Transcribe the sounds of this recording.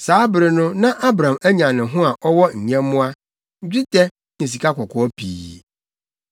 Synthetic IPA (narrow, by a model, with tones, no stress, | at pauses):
saː˨˦bɪ˨ɾɪ˨nʊ̃˦nã˦ʔa˦bɾã˨mæ˦ɲã˨nɪ̃˨ɦʊ̃˦a˨ʔɔ˦wɔ˦ɲ̩˨ɲɛ̃˦mːʊ̃˦a˦ | ɲ̩˦d͡ʑᶣi˦tɛ˦ | nĩ˨s̬i˨kʰa˦kɔ˨kʰɔ˨ɔ˦pʰḭː˨